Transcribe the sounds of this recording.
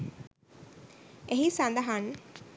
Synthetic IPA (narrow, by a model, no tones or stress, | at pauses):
eɦisand̪ɐɦaŋ